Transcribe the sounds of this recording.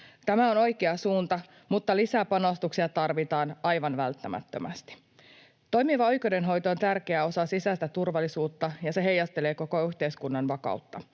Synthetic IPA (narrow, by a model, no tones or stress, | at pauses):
t̪æmæo̞no̞jkeɑsuːnt̪ɑ | mut̪ːɑlisæpɑno̞st̪uksiɑt̪ɑrʋit̪ɑːnʔɑjʋɑnʋælt̪ːæmæ̰t̪ːø̰mæst̪i̥ | t̪o̞jmiʋɑo̞jko̞de̞nɦo̞jt̪oont̪ærkeæo̞sɑsisæst̪æt̪urʋɑlːisuːt̪ːɑjɑse̞ɦe̞jːɑst̪ele̞ːko̞ko̞yçt̪e̞jskunːɑnʋɑkɑ̰ut̪ːɑ